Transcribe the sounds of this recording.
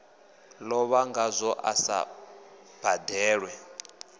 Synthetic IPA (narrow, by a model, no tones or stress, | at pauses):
lɔβaŋɡazʷɔʔa̰sa̰ | b̥ʱadɛːɺwɛ